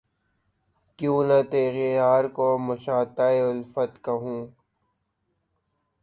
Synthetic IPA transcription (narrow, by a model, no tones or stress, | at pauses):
kjũːnat̪eːɣejaːɾkomʊʃaːt̪aːeʊlfət̪kɐɦũː